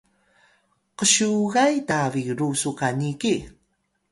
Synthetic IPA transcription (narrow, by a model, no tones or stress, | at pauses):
qəɕuɣajtaviɾusukaniki